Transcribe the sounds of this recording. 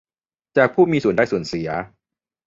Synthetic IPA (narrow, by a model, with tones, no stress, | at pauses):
t͡ɕaː˨˩k̚pʰuː˥˩miː˧su˨˩˦ndaː˥˩jsu˨˩ənsi˨˩˦ɐ